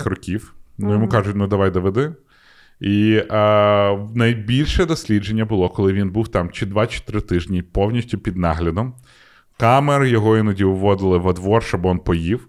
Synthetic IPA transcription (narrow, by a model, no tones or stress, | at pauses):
rɔkʲiwnujɔmukɑʒʊtʲnʊd̪ɐʋɑjd̪ɔʋed̪ɪ | i | nɐjbʲilʲʃɛd̪ɔsʲlʲid͡ʒe̞nʲːɐbʊlˠɔkɔlˠɪʋʲinbuwt̪ɑmt͡ʃɪd̪ʋɑt͡ʃɪ̥t̪ɾɪt̪ɪʒnʲipɔwnʲisʲtʲʊpʲid̪nɑɦlʲɐd̪ɔm | kɑmeɾjɔɦɔinɔdʲiʊʋɔd̪ɪlˠɪʋɐd̪ʋɔrʃt͡ʃɔbɔnpɔjiw